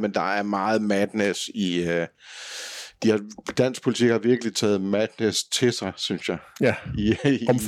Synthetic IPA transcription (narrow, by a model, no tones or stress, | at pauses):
mend̥ɑ̈æɐmɑ̈ːð̞̩ˠmæd̥nesiø | d̥ihɑd̥æn̰sɡ̥̚pʰo̝lit͡sʰiɡ̥hɑ̈ʋiɐɡ̥əlit͡sʰɛ̰ːð̞̩ˠmæd̥nest͡sʰe̝sɑ̈ɪsynsjɑ̈ɪi